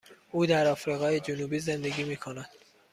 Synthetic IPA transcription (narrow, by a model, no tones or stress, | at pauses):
uːd̪æɾɒːfɾiːɣɒːjed͡ʒonuːbiːze̞nd̪e̞ɡiːmiːkʰonæd̪̥